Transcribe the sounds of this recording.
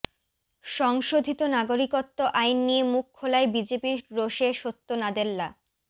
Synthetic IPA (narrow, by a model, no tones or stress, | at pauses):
ʃɔŋʃod̪ʱit̪onaɡoɾikot̪ːoʔajnːijemukʰːolaebid͡ʑepiɾoʃeʃot̪ːonad̪elːa